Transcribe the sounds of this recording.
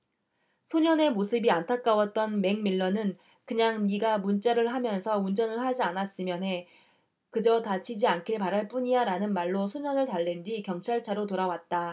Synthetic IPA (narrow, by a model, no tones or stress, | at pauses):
sʰoɲʌne̞mosʰɯbiantʰak͈awʌt̚t͈ʌnme̞ŋmiɭːʌnɯn | kɯɲaŋniɡamunt͡ɕ͈aɾɯɭɦamjʌnsʰʌund͡ʑʌnɯɭhad͡ʑianas͈ɯmjʌnɦe̞ | kɯd͡ʑʌtat͡ɕʰid͡ʑiankʰiɭpaɾaɭp͈uɲijaɾanɯnmaɭːosʰoɲʌnɯɭtaɭːe̞ndwikjʌŋt͡ɕʰaɭt͡ɕʰaɾotoɾawat̚t͈a